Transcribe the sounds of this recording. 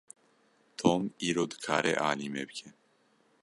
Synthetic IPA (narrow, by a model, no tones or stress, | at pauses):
t̪ʰɔmiɾɔd̪kʰaɾʔɛʔalimɛbɡɛn